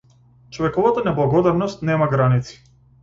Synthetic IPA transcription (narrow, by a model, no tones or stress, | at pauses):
t͡ʃɔvɛkɔvat̪anɛblˠaɡɔd̪aɾnɔst̪nɛmaɡɾanit̪si̥